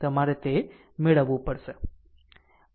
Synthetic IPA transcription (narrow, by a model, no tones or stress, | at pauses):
t̪əmaɾet̪e | meɭəʋupəɽʃe